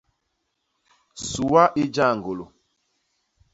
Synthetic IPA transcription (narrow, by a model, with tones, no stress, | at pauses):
su˨wa˦ʔi˦d͡ʒa˦˨ŋɡo˨lo˨